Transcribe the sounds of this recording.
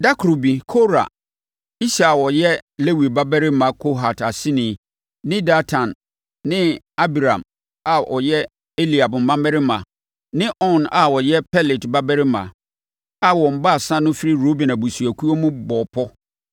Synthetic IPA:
da˦kʰɾo˨bi˨kʰo˦ɾa̰˨ | i˦sa˨wɔ˨jɛ˦le˦wi˨ba˦bɛ˦ɾɪ˦mã˨kʰo˦ɦa˨ta˨sɪ̃˦nĩ˨ | nɪ̃˦da˦tʰã˨nː | ɪ̃˦ | a˦bi˨ɾã˨m | a˨ʔɔ˨jɛ˦ | e˦li˨a˨bm̩˨mã˦mːɛ˦ɾɪ˦mã̰˨ | nɪ̃˦ʔɔ̃˦na˨wɔ˨jɛ˦pʰɛ˦lɪ˨tba˦bɛ˦ɾɪ˦mã̰˨ | a˨wɔ˨m̩˨ba˦˨sã˦nʊ̃˦fi˦ɾi˦ɾo˦bɛ̃˨na˨bu˨su˨æ˨kʰu˦o˦mũ˦bɔ˨pʰɔ˦

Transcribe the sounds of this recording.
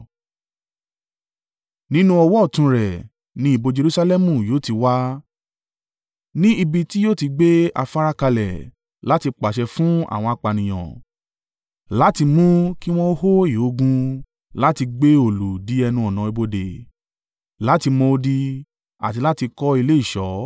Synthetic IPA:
nĩ˦nũ˦ɔ˧wɔ˦˨tũ˧ɾɛ˨ | nĩ˦i˨bo˧d͡ʒe˧ɾu˧sa˧lɛ˦mũ˨joː˨˦ti˧wa˦ | nĩ˦i˧bi˧ti˦jo˦ti˧ɡ͡be˦a̰˧fa˧ɾa˦ka˧lɛ̰˨ | la˦ti˧k͡pa˨ʃɛ˧fũ˦a̰˦˨w̃ɔ̃˧a˧˨k͡pa˨nĩ˨j̃ɔ̰̃˨ | la˦ti˧mũ˦ki˦w̃ɔ̃˦o˦ɦo˦i˦˨o˨˦ɡũ˧ | la˦ti˧ɡ͡be˦o˦˨lu˨di˨˦ɛ˧nũ˧˦ɔ˨nã˨e˧bo˧de˨ | la˨˦ti˧mɔ̃˧o˧di˧ | a̰˨ti˧la˦ti˧kɔ˦i˧le˦i˦˨ʃɔ˨˦

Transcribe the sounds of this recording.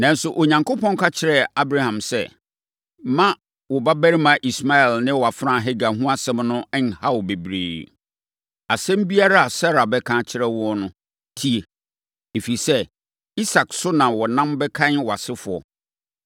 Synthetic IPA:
nã˨n̩˦sʊ˨ʔo˨ɲã˨ŋko˦pʰɔ̃˦ŋ˦kʰa˦t͡ɕʰɪ˦ɾɛ˦a˦bɾa˦hã˨msɛ˦ | mã˦ | wɔ˨ba˦bæ˦ɾi˦mã˨ʔi˨sma˦ɛ˨lnɪ̃˦wɔ˨a˨fɾã˦˨ɦɛ˦ɡa˨ɦũ˦a˦sɛ̃˦mnʊ̃˦ɛ˦n˨ha˦wɔ˨be˨bɾḛː˨ | a˨sɛ̃˦m˦bi˦a˦ɾa˦a˨sa˦ɾa˨bɛ˦kʰã˦t͡ɕʰɪ˦ɾɛ˦wɔ˦nʊ̃˦ | tʰi˦e˨ | e˨fi˨sɛ˦ | i˦sa˨ksʊ˦nã˨wɔ˨nã˦mbɛ˦kʰã˦nwɔ˨a˨sɪ˦fʊ˨ɔ̰˨

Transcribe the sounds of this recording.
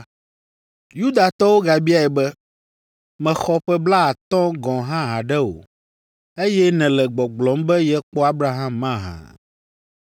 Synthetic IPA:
ju˦d̪a˨t̪ɔ˦wo˦ɡa˨bi˦a˦˨ɛ˨bɛ˦ | mɛ̃˨xɔ˦ɸɛ˦bla˦a˨t̪ɔ̃˦ɡɔ̃˨ɦã˦ɦã˨ɖɛ˦o̰˨ | e˦jɛ˦nɛ̃˨lɛ˨ɡ͡bɔ˨ɡ͡blɔ̃˨˦mbɛ˦jɛ˦k͡pɔ˦a˦bɾa˨ɦã˦mːã˦ɦã̰˨

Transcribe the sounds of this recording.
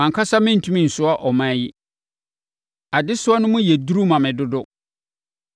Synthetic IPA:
ã˨ŋkʰa˦sa˦mɪ̃˦n̩˨tʰũ˦mĩ˦˨n̩˨sʊ˦a˦ʔɔ˨mã˦jɪ˦ | a˨dɪ˦sʊ˦ɔ˦nʊ̃˦mʊ̃˦jɛ˨du˦ɾu˦mã˨mɪ̃˨dʊ˦dʊ˦

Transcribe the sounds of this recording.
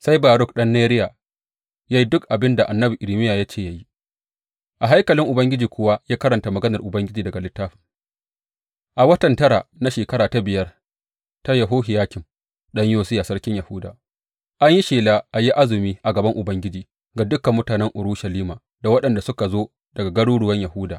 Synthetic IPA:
sa˦jbaː˨ɾʊ˦k̚ɗɐ˦nːeː˦ɾɪ˦ja˨ | ja˦ji˦dʊ˦kʔa˨bɪ˦nda˨ʔa˨nːɐ˦bi˨ʔɪ˨ɾɪ˨mɪ˦jaː˨ja˦t͡ʃeː˦˨ja˦ji˦ | ʔa˨ɦa˦jkɐ˨lɪ˦ŋʔʊ˨bɐ˦ŋɡʲɪ˦d͡ʒiː˨kʷʊ˦wa˦jaː˦kɐ˦ɾɐ˨nta˨mɐ˨ɡɐ˦nɐ˨rʔʊ˨bɐ˦ŋɡʲɪ˦d͡ʒiː˨dɐ˨ɡa˨lɪ˦tːaː˦ɸɪ̥˨ŋ | ʔa˨wɐ˦tɐ˨ntɐ˦ɾa̰˨na˦ʃeː˨kɐ˦ɾaː˨ta˦bɪ˨jɐ˦r | ta˦ja˨ɦoː˦ɦɪ˨jaː˦kʲɪ˨m | ɗɐ˦ɲjoː˦sɪ˦jaː˨sɐ˦rkʲɪ˦ɲjɐ˨hʊː˦daː˨ | ʔa˦ɲji˦ʃeː˨laː˦ʔa˨ji˦ʔa˦zɪ˨miː˦ʔa˨ɡɐ˨bɐ˦ŋʔʊ˨bɐ˦ŋɡʲɪ˦d͡ʒiː˨ | ɡa˦dʊ˦kːɐ˨mːʊ˦taː˨nɛ˦ŋʔʊ˨ɾuː˦ʃɐ˨liː˦maː˨ | da˨wɐ˦ɗɐ˨nda˨sʊ˦ka˨zoː˦ | dɐ˨ɡa˨ɡɐ˦ɽuː˦ɽʊ˨wɐ˦ɲjɐ˨hʊː˦daː˨

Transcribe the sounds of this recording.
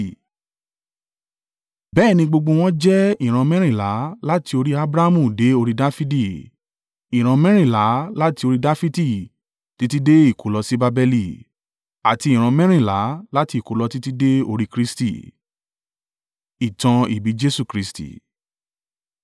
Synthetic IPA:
bɛ˦˨nĩ˧ɡ͡bo˧ɡ͡bo˧w̃ɔ̃˦d͡ʒɛ˦i˦˨ɾ̃ã˧mɛ̃˦ɾ̃ĩ˦˨la˨˦la˦ti˧o˧ɾi˦a˦bɾa˦mũ˦˨de˨˦o˧ɾi˦da˦fi˦di˦˨ | i˨ɾ̃ã˧mɛ̃˦ɾ̃ĩ˦˨la˨˦la˦ti˧o˧ɾi˦da˦fi˦ti˦˨ | ti˨˦ti˦de˦i˦˨ko˨lɔ˧si˦ba˧bɛ˧li˨ | a˨ti˧˦i˨ɾ̃ã˧mɛ̃˦ɾ̃ĩ˦˨la̰˨˦la˦ti˧˦i˨ko˨lɔ˧ti˦ti˦de˦o˧ɾi˦˧kɾi˦stḭ˦˨ | i˨tã˧ḭ˨bi˨˦d͡ʒe˦su˦˨kɾi˦stḭ˨

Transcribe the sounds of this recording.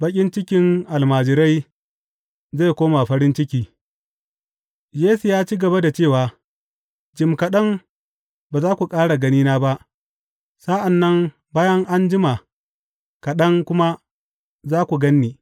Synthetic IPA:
bɐ˦kʲʼɪ˦nt͡ʃɪ˦kʲɪ˦ŋʔa˨lmaː˨d͡ʒɪ˨ɾa˦j | za˦˨kʷoː˦ma˨ɸɐ˦ɾɪ˦nt͡ʃɪ˦kʲiː˦ | jeː˦su˨jaː˦t͡ʃiː˦ɡɐ˨ba˦da˨t͡ʃeː˦˨waː˨ | d͡ʒɪ˨mkɐ˨ɗɐ˦ŋ | baː˨zaː˦kʷu˨kʼaː˦ɽa˨ɡɐ˦niː˦naː˦ba˦ʔ | sa˦ʔa˨nːɐ˦ŋ | baː˦jɐ˦ŋʔa˦nd͡ʒɪ˦ma˨ | kɐ˨ɗɐ˦ŋkʷʊ˦ma˦ | zaː˦kʷu˨ɡɐ˦nːiː˨

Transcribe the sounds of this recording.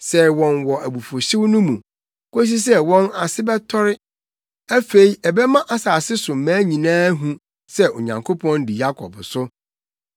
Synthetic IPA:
sɛ˦˨wɔ̃˨nwɔ˨æ˨bu˨fo˨ɕɪ˦wnʊ̃˦mũ˨ | kʰo˦s̬i˦s̬ɛ˦wɔ̃˦na˨sɪ˦bɛ˦tʰɔ˦ɾɪ˦ | æ˦fe˨i˦ɛ˨bɛ˦mã˦ʔa˦saː˨sɪ˦sʊ̃˨mæ̃ː˦ɲĩ˨nãː˦ɦũ˨ | sɛ˦o̰˨ɲã̰˨ŋkʰo˦pʰɔ̃˦ndi˨ja˦kʰɔ̰˨bsʊ˦

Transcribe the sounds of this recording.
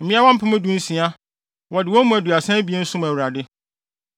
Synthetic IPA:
m̩˨mĩ˦a˦wɔ̃˦m̩˦pʰʊ̃˦mʊ̃˦dũ˦n̩˦sĩ˨a˦ | wɔ˨dɪ˨wɔ̃˦mũ˦˨æ˨du˨a˨sɛ̃˦bi˨e˦n̩˦sʊ̃˦m˨æ˨wu˨ɾa˨dɪ˦

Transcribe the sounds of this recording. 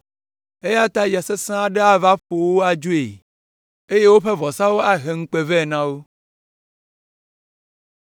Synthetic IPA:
e˦ja˦t̪a˦ja˨se˦sã˦a˨ɖe˦a˦va˦ɸo˨wo˦a˦d͡ʒu˦ḛ˨ | e˦je˦wo˦ɸe˦vɔ˨sã˦wo˦a˦ɦe˨ŋ̩˦k͡pe˨vɛ˦˨nã˦wo˦

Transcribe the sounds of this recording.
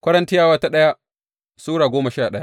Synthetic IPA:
kʷɐ˦ɽɐ˦ntɪ˦jaː˦˨waː˦ta˦ɗɐ˦ja˦ | suː˦ɽaː˨ɡʷoː˦mɐ˨ʃaː˦˨ɗɐ˦ja˦ʔ

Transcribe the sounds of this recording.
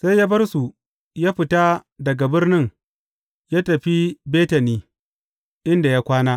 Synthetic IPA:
sa˦jaː˦bɐ˦rsu˨ | jaː˦ɸɪ˨ta˦dɐ˨ɡa˨bɪ˦rnɪ˦ŋ | jaː˦tɐ˨ɸi˦beː˦tɐ˨niː˦ | ʔɪ˦nda˨ja˦kʷaː˦naː˦

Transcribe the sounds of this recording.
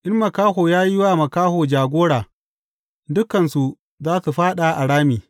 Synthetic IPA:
ʔɪ˦mmɐ˨kaː˦hoː˨jaː˦ji˦waː˦mɐ˨kaː˦hoː˨d͡ʒaː˨ɡʷoː˦ɽaː˨ | dʊ˦kɐ˨nsu˨ | zaː˦su˨ɸaː˦ɗa˨ʔa˨ɽaː˦miː˨

